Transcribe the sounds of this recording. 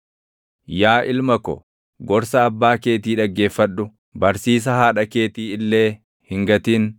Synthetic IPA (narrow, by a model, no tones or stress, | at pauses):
jaːʔɪlmɐkɔ̰ | ɡɔɾsɐːbːaːke̞ːt̪iːᶑɐɡːe̞ːfːɐᶑːʊ | bɐɾsiːs̬ɐhaːᶑɐke̞ːt̪iːɪlːe̞ː | hɪŋɡɐt̪iːn